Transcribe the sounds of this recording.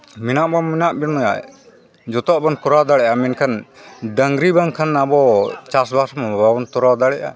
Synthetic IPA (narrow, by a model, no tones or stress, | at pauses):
minaʔbaminaʔbinnɔja̰ | d͡ʒɔt̪ɔʔbankuɾad̪aɽɛʔamɛnkʰanɖəŋɡɾibaŋkʰanabɔt͡ʃasbasmababɔnt̪ɔɾad̪aɽɛʔa̰